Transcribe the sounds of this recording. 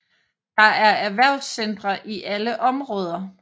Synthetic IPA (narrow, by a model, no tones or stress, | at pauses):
d̥ɑ̈æɐæʋæɐ̰ʊ̰sːend̥ʁɐʔiʔæləʔɒ̽mʁɔ̽ːð̞ˠɐ